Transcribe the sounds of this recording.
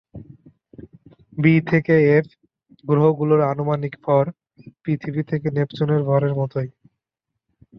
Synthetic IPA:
bit̪ʰekeef | ɡɾoɦoɡuloɾanomanikfʰɔɾ | pɾit̪ʰibit̪ʰekenept͡ɕoneɾbʱɔɾeɾmɔt̪oj

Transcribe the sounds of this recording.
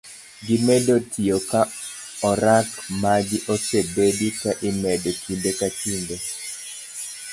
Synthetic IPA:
ɡɪmɛdotʰiokaɔɾakmaɡɪʔɔsebedikaʔɪmɛdokʰindekatinde

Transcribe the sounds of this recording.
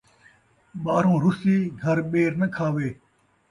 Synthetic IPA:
ɓaːɾõːɾʊsiːɡʱɐɾɓeːɾnəkʰaːʋeː

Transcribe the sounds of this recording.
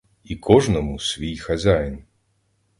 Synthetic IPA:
ikʰɔʐnɐmusʲvʲijxazʲajn

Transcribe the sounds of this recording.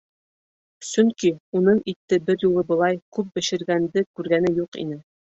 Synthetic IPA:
sɵŋkiunɤɴit̪ːɘbɘɾjulˠɤbɤ̆lˠɑjkʉp̚bɘ̆ʃɘ̆ɾɡænd̪ɘkʉɾɡænɘjuqḭnɘ

